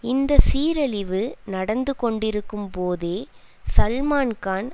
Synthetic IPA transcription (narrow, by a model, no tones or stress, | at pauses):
ɪnd̪ɐsiːɾɐlɪʋɯnɐɽɐnd̪ɯkɔɳɖɪɾɯkːɯmpoːðeː | sɐlmaːnkaːn